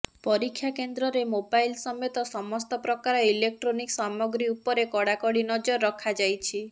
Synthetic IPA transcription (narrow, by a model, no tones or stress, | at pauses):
pɔɾikʰːjakend̪ɾɔɾemobajlsɔmet̪ɔsɔmɔst̪ɔpɾɔkaɾɔilek̚ʈɾoniksamɔɡɾiupɔɾekɔɽakɔɽinɔd͡ʒɔɾːɔkʰad͡ʒajt͡ʃʰi